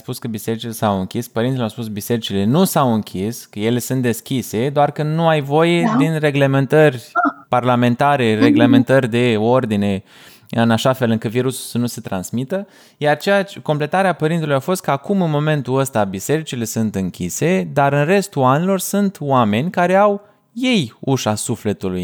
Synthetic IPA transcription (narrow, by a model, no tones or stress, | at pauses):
spuskəbise̞ɾit͡ʃilesawɨŋkʲispəɾint̪ilawspusbise̞ɾit͡ʃile̞nusawɨŋkʲʰiskəje̞le̞sunt̪̚d̪e̞skʲise̞d̪oarkənuajvo̞je̞d̪inre̞ɡle̞me̞nt̪ərʲparlamẽ̞nt̪aɾe̞re̞ɡleme̞nt̪ərʲd̪e̞o̞rd̪ine̞ | ɨnaʃafe̞lɨŋkɨt̪viɾusu̥lsənuse̞t̪ɾansmit̪ə | jart͡ʃejat͡ʃeko̞mple̞t̪aɾeapəɾint̪elujafo̞st̪̚kəakumɨnmo̞me̞nt̪uəst̪abise̞ɾit͡ʃile̞sɨnt̪ɨŋkʲise̞d̪aɾɨnre̞st̪uanilo̞rsɨnt̪wame̞nʲkaɾe̞aw | je̞juʃasufle̞t̪uluj